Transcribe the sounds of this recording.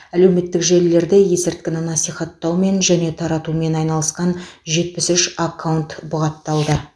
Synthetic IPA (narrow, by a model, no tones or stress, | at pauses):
æle̞wme̞t̪ːɪkʒe̞lːe̞ɾd̪eje̞sɪɾt̪̚kʲɪnɪnɑsijχɑt̪ːɑwme̞nʒæne̞t̪ʰɑɾɑt̪ume̞nɑjnɑlˠəsqɑnʒe̞t̪̚pɪsʏʃakʰːawunt̪bʊʁɑt̪ːɑlˠd̪ə